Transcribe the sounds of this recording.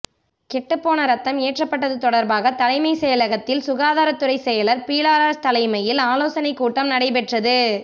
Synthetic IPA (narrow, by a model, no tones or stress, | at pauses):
kɛʈːɯpːoːnɐɾɐt̪ːɐmeːʈrɐpːɐʈːɐðɯt̪ɔɽɐɾbaːɣɐt̪ɐlɐɪmɐɪsɛjɐlɐɣɐt̪ːɪlsʊɣaːðaːɾɐt̪ːɯɽɐɪsɛjɐlɐɾpiːlaːɾaːt̪ɐlɐɪmɐjɪlaːloːsɐnɐɪkːuːʈːɐmnɐɽɐɪpɛʈrɐðɯ